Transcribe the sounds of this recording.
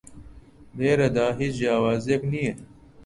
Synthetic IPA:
beːɾɐd̪aːɦit͡ʃd͡ʑaːwaːzekniːe

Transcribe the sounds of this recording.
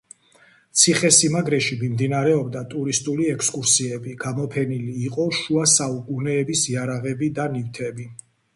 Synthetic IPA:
t̪sʰiχɛsimaɡɾɛʃimimd̪inaɾɛɔbd̪at̪ʼuɾist̪ʼuliɛkʰskʼuɾsiɛbiɡ̥amɔpʰɛniliːqʼɔʃuasaukʼunɛːbisiaɾaʁɛbid̪anift̪ʰɛbi

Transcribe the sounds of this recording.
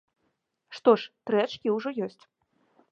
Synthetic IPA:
ʂt̪ɔʂt̪ɾɛt͡ʂkʲiwʐɔjɔsʲt͡sʲ

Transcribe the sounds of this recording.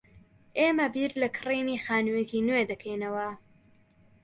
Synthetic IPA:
ʔeːmɐbiɾlɐkʰɨriːniːxaːnujekinwed̪ɐkʰejnɐwɐ

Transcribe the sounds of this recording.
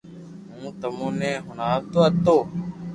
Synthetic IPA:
ɦũːt̪əmũːnẽːɦʊnaːʋt̪oːət̪oː

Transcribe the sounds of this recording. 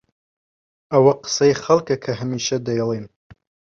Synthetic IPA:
ɐwɐqɨ̥sɐjχɐlˠkɐkʰɐɦɐmiːʃɐd̪ɐjɛlˠin

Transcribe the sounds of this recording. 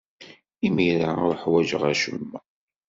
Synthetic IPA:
imiɾaʊɾħwæd͡ʒəʁæ̰ʃə̰mːə

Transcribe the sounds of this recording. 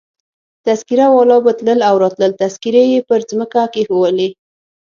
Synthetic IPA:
t̪askiɾawɑlɑbət̪ləlawɾɑt̪ləlt̪askiɾejepəɾzməkakexowəle

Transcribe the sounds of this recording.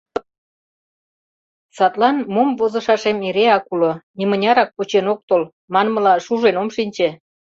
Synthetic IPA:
sɑt̪lɑnmomvozɤ̆ʃɑʃemeɾeɑkulonimə̆nʲɑɾɑk̚put͡ɕenok̚t̪ol | mɑnmə̆lɑʃuʒenomʃinʲt͡ɕĕ

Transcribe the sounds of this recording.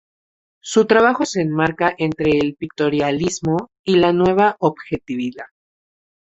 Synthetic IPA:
sut̪ɾaβaxo̞se̞ːnmaɾkaʔe̞nt̪ɾe̞ːlpik̚t̪o̞ɾjalizmo̞ | ilanwe̞β̞aʔoβxe̞t̪iβiðað

